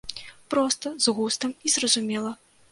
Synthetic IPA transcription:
pɾɔst̪ɐzɣust̪ɐmizrɐzumʲɛlˠɐ

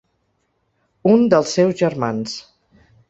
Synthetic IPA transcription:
und̪əlˠsːɛwzʒəɾmans

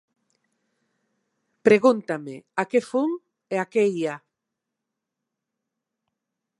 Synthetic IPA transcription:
pɾeɣunt̪ameakefuŋ | eakeja

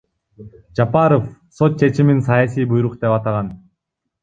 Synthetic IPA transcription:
d͡ʒapɑɾofso̞t̪̚t͡ʃʰe̞t͡ʃiminsɑjasʲijbujɾuqd̪e̞pɑt̪ɑʁɑn

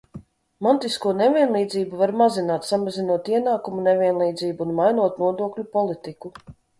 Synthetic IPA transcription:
mant̪iskuɔnevʲiɛnlˠiːd̪ziːbuvaɾmazinaːt̪samazinuɔt̪iɛnaːkumunevʲiɛnlˠiːd̪ziːbuːnmajnuɔt̪̚nuɔd̪uɔklʲupɔlˠit̪iku

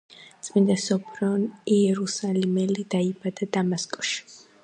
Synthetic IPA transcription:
t̪t͡sʼmind̪asɔpʰɾɔniɛɾusalɛmɛlid̪̥aibʼad̪ad̪amaskʼɔ̥ʃ

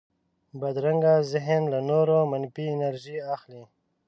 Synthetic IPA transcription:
bad̪ɾaŋɡazɪɦnlanoɾomanpiːnaɾʒiaxli

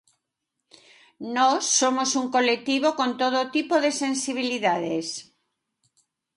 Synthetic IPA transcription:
nosːomosuŋkolek̚t̪iβ̞okont̪oðot̪ipoðesẽnsiβ̞iliðaðes

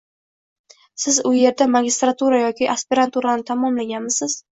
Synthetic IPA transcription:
sɪzʊje̞ɾd̪amaɡʲɪst̪ɾat̪ʰuɾajɒkʲɪʔaspɪɾant̪uɾanɪt̪ʰamɒmlaɡʲanmɪsɪz̥

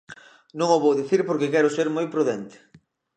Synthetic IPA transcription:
nõŋoβowðiθiɾpoɾkekɛɾʊseɾmojpɾuðɛnt̪ɪ̥

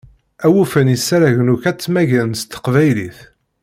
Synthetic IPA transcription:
æwufənisæɾæʝnukæt͡sːmæʝænst̪ːə̥qvæjliθ

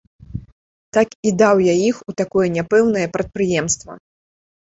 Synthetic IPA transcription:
t̪akid̪awjaixut̪akɔjɐnʲapɛwn̪ɐjɐpɾɐt̪̚pɾɨjɛmst̪vɐ̰

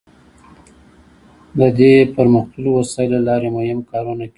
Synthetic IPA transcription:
d̪əd̪epəɾməxt̪ulwasɑjɪlalɑɾemajɪmkɑɾunaki

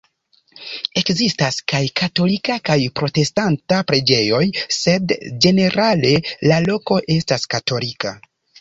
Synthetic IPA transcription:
e̞kzistaskajkato̞likakajpɾo̞te̞stantapɾe̞d͡ʒe̞jo̞jse̞dd͡ʒe̞ne̞ɾʔale̞lalo̞ko̞ʔe̞staskato̞lika

